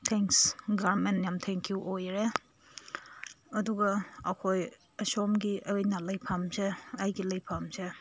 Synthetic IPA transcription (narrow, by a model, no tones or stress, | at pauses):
tʰeŋksɡaɾmenjamtʰeŋkʰjuʔojɾe | ɐduɡɐːkʰoj | ɐsomɡiʔɐɯjnalɐjpʰamzeɐjɡilɐjpʰamze